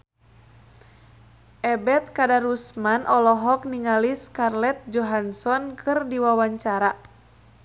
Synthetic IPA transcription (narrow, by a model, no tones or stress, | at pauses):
ʔɛbɛt̪̚kadaɾusmanʔɔlɔɦɔk̚niŋaliskarlɛt̪̚d͡ʒɔɦansɔnkʰɨrdiwawaɲt͡ʃaɾa